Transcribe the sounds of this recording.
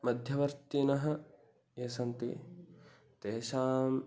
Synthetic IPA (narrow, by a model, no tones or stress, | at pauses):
mɐd̪ʱjɐʋɐɾt̪inɐɦɐ̆ | eːsɐnt̪ḭ | t̪eːʃaːm